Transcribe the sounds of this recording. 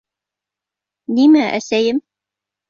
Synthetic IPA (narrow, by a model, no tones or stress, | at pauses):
nimæʔæ̰sæjɘm